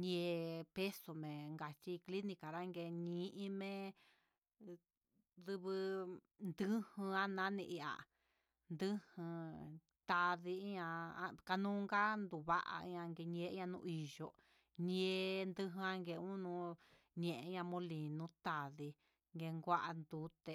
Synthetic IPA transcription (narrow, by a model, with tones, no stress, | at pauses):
ɲẽ˧pe˦so˨mẽ˨ŋɡa˨t͡ʃi˧kli˦nĩ˧ka˨ɾa˦ŋɡe˧ɲĩ˧˦ʔĩ˧˦mẽ˦ | ðɨ˧βɨ˧ | nd̪ɨ˦hɨ̃˧ã˦nã˦nĩ˧ʔi˧a̰˨ | nd̪ɨ˦hɨ̃˧ | t̪a˧ði˧˦ɲã˧a˧ka˧nũː˦ŋɡa˦nd̪u˨βa̰˦ʔa̰˧˦ɲã˧ŋɡe˧ɲẽ˧˦ã˧nṵ̃˧i˧ʒo˧ | ɲẽ˧nd̪ɨ˧ɦɨ̃˧ã˧ŋɡe˧˨˧ũ˦nũ˧ | ɲẽ˨ʔẽ˨˧˦ɲã˧mõ˧li˨nũ˦t̪a˨ði˧ | ŋɡe˧ŋɡʷa˦ʔa˧nd̪u˨˦t̪e˧